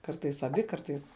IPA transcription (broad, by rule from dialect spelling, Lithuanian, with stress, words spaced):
ˈkɐrtɐɪs ɐˈbʲɪ ˈkɐrtɐɪs